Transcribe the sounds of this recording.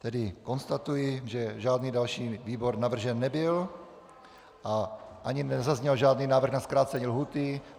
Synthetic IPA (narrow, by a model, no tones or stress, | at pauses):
t̪ɛdɪkonst̪at̪ujɪʒɛʒaːd̪niːdalʃiːviːboɾnavr̩ʒɛnːɛbɪl | ʔaʔaɲinɛzazɲɛlʒaːdniːnaːvɾr̩ɣnaskɾaːt͡sɛɲilɦuːt̪ɪ